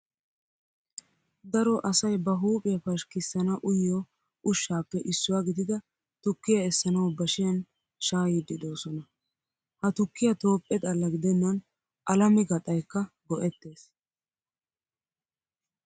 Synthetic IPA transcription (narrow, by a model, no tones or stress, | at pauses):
d̪ɐɾɔʔɐsɐjbɐɦuːpʼɪjɐfɐʃkɪsːɐnɐʔʊjːɔ | ʊʃːaːpːɛʔɪsːʊwaːɡɪd̪ɪd̪ɐ | t̪ʊkːɪjɐɛsːɐnɐwbɐʃɪjɐn | ʃaːjid̪ɪd̪o̞ːsɔnɐ | hɐt̪ʊkːɪjɐt̪o̞ːpʼːɛt̪ʼɐlːɐɡɪd̪ɛnːɐn | ʔɐlɐmɪɡɐt̪ʼːɐjkːɐ | ɡɔʔɛt̪ːe̞ːs